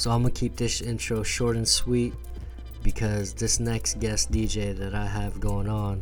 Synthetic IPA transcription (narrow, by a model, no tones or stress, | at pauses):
soʊãɪ̃məkʰip̚dɪʃɪ̃nt͡ʃɹ̥oʊʃɔɹɾɨ̃nswit̚ | b̥ɨkʰʌzðɪsnɛksɡ̥ɛsd̥id͡ʒeɪðɨɾaɪɨvɡõʊɪ̃ŋə̃n